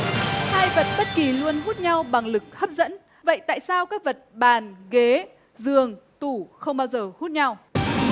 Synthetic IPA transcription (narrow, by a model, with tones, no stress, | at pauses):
haː˧jvə˨˩t̚ɓə˦˥t̚ki˨˩lu˧ənɦu˦˥t̚ɲa˧wɓa˨˩ŋlɨ˨˩k̚hə˦˥p̚zə̰˧˥n | və̰˧˨jt̪a̰ː˧˨jsaː˧wkaː˦˥k̚və˨˩t̚ɓaː˨˩nɣe˨˦ | zɨ˨˩əŋt̪u˧˩xə˧wŋ͡mɓaː˧wzəː˨˩hu˦˥t̚ɲa˧w